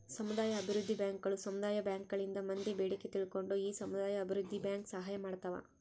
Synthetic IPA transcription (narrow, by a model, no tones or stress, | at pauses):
sɐmud̪aːjɐːbʱiɾud̪ʱːibjaːŋkɐɭusɐmud̪aːjɐbjaːŋkɐɭind̪ɐmɐnd̪ebeːɽikːet̪iɭiko̞ɳɖuiːsɐmud̪aːjɐːbʱiɾud̪ʱːibjaːŋksɐɦaːjɐmaːɽt̪ɐʋɐ̰